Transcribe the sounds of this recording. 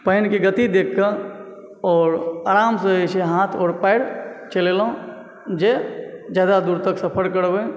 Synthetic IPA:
pəɦɪnkiɡət̪id̪eːkʰːə | ɔːɾaːɾaːmseet͡ʃʰeɦaːt̪ʰɔːɾpaɪɽt͡ʃəlelõ | d͡ʒed͡ʒjaːd̪ad̪uːɾt̪əksəpʰəɾkəɾbe

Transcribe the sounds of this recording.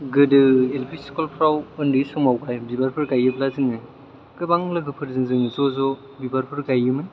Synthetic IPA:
ɡɯdɯelpʰisikolpʰɾawɯndisɔmawkajbibaɾpʰɯɾɡajɯblazɯŋɯ | kɯbaŋlɐɡɯpʰɯɾzɯŋzɯŋɯzɔzɔ | bibaɾpʰɯɾɡajɯmɯn

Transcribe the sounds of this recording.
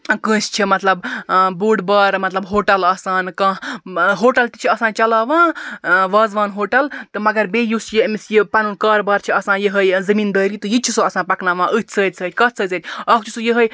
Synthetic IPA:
kə̃ːst͡ʃʰimɐt̪lɐbbuːɖbɐːɾmɐt̪lɐbɦoːʈɐlɐsaːnkãɦoːʈɐlt̪ʲit͡ʃʰiɐsãːnt͡ʃɐlaːʋãːʋɐːzʋaːnɦoːʈɐlt̪ɨmɐɡɐɾbeːjusjimisjipɐnunkɐːɾbɐːɾt͡ʃʰiɐsãːjiɦəjzɐmiːnd̪əːɾit̪ɨjit͡ʃʰisɨɐsãːpɐknaːʋãːʔɨt̪ʲʰsəːt̪ʲsʰəːt̪ʰʲkɐt̪səːt͡sʰəːt̪ʲʰɐkʰt͡ʃʰusujiɦəj

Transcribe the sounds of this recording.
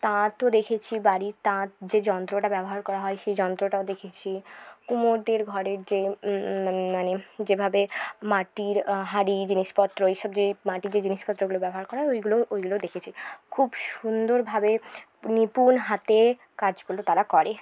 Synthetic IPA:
t̪ãt̪od̪ekʰet͡ɕʰibaɾit̪ãt̪d͡ʑed͡ʑɔnt̪ɾoʈabɛboɦaɾkɔɾaɦɔeʃejd͡ʑɔnt̪ɾoʈaod̪ekʰet͡ɕʰikumoɾd̪eɾɡʱɔɾeɾd͡ʑe | maned͡ʑebʱabemaʈiɾɦaɾid͡ʑiniʃpɔt̪ːɾoejʃɔb̚d͡ʑemaʈid͡ʑed͡ʑiniʃpɔt̪ːɾoɡulobɛboɦaɾkɔɾaɦɔeojɡuloʔojɡulod̪ekʰet͡ɕʰikʰubʃund̪oɾbʱabe | nipunɦat̪e | kad͡ʑɡulot̪aɾakɔɾe

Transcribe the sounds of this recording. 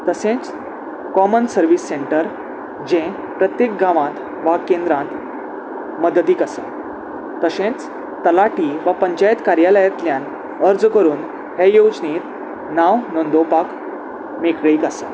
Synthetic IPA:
t̪əsẽt͡s | kɔmənsəɾʋiːsːeɳʈəɾ | d͡ʑẽ | pɾət̪jek̚ɡaʋãt̪ | ʋakẽnd̪ɾãt̪ | məd̪ət̪iːkasə | t̪əsẽt͡s | t̪əlaʈiːʋapəɲt͡ɕajt̪kaɾjaləjat̪ljãn | əɾd͡zkəɾuːn | hejod͡ʑnit̪ | naʋnond̪opak | mekɭiːkasə̃

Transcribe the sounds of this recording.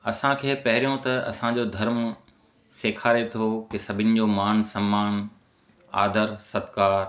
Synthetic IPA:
ɐsãkʰeːpɐɦɪɾijõt̪ɐɐ̰sãd͡ʑod̪ʱɐɾm | seːkʰaːɾet̪ʰokɪsɐbʱɪnɪ̆d͡ʑoːmaːnsɐ̃mːaːn | a̰ːd̪ʱəɾsɐt̪kaːɾ

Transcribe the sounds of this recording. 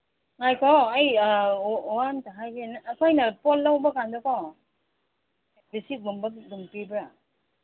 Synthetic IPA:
ŋajkʰɔaj | wantaɦajɡenaːkʰɔjnɐpɔlːawbakandɔkɔ | bisiɡumbaɡumpibɾa

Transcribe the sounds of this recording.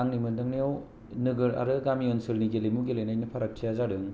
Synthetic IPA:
aŋnimɯdɯŋniaw | nɯɡɯɾa̰ɾɯɡamiɔnsɯlniɡelejmuɡelejnajnɯpʰaɾak̚tʰijazaɾɯŋ

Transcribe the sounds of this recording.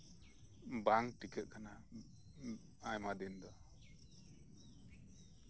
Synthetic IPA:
baŋʈikɛʔ̪̚kana | ajmad̪ind̪ɔ

